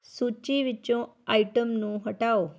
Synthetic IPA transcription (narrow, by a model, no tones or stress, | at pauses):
sut͡ʃiʋit͡ʃːõaiʈəmnũɦəʈao